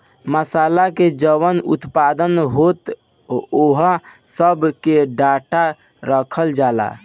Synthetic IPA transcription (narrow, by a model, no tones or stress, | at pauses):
məsalaked͡ʒəʋənṵt̪pad̪ənɦot̪ | oɦasəbʱkeɖaʈa | ɾəkʰəld͡ʒala̰